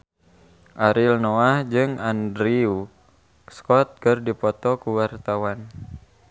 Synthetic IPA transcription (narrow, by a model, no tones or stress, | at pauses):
ʔaɾilnoahd͡ʒɨŋandɾiu | skɔt̪̚kɨrdipɔt̪ɔkuwart̪awan